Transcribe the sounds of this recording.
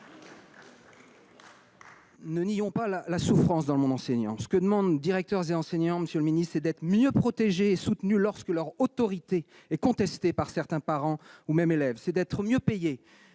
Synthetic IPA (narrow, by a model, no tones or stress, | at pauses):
nənijɔ̃palalasufχɑ̃sd̪ɑ̃ləmɔ̃d̪ɑ̃sɛɲɑ̃sə̥kəd̪əmɑ̃d̪ːiʁɛk̚t̪œʁzeɑ̃sɛɲɑ̃məsjøləminist̪sɛd̪ɛt̪χəmjøpχɔt̪eʒeːsut̪nylɔʁskəlœʁot̪ɔʁit̪e | ɛkɔ̃t̪ɛst̪epaʁsɛʁt̪ɛ̃paʁɑ̃umɛmelɛvsɛd̪ɛt̪χəmjøpeje